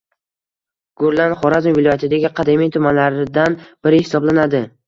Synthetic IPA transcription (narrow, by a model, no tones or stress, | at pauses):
ɡ̥ʊɾlˠanχɒɾazɪmvɪlˠɒjat̪ʰɪd̪aɡʲɪqʰɑd̪emijt̪ʰʊmanlaɾɪd̪anb̥ɪɾɪhɪsɒblanad̪ɪ